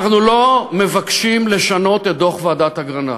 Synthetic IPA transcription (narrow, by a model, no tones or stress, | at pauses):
χnulo̞me̞vakʃimle̞ʃano̞t̪et̚d̪o̞χvead̪ataɡʁana̰